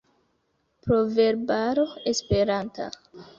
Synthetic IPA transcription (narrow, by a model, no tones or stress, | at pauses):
pɾove̞ɾbaɾoespe̞ɾanta̰